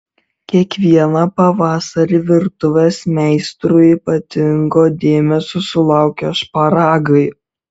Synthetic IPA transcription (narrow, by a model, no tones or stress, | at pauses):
kʲiɛkʋʲiɛnɐpɐʋɑːsɐɾʲiʋʲɪɾt̪ʊʋʲesmʲɛɪst̪ɾʊipɐt̪ʲɪŋɡoːd̪ʲeːmʲɛsʲʊsʊlˠɑˑʊkʲoʃpɐɾɑːɡɐɪ